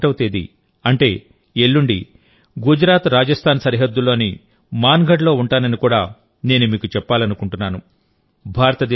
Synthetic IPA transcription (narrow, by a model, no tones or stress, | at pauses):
ʈɐwut̪eːd̪ḭ | ɐɳʈe̞ː | eɭːuɳɖḭ | ɡud͡ʒɾaːt̪ɾaːd͡ʒɐst̪ʰaːnsɐɾiɦɐd̪ːulo̞ːni | maːnɡʱɐʈlo̞ːuɳʈaːnɐnikuːɽa̰ː | ne̞ːnumiːkut͡ʃɛpːaːlɐnukuɳʈunːaːnu | bʱaːɾɐt̪ɐd̪